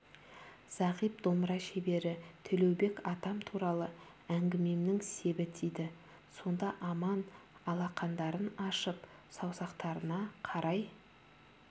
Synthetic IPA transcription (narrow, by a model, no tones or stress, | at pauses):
z̥ɑʁijp̚d̪omɾɑʃebe̞ɾɪt̪ʰʏlewbe̞kɑt̪ɑmt̪ʰuɾɑlˠə | æŋɡʲɪme̞mnɪŋse̞bɪt̪ʰijd̪ɪ | so̞nd̪ɑʔɑmɑnɑlˠɑqɑnd̪ɑɾənɑʃəpsɑwsɑqt̪ɑɾənɑqʰɑɾɑj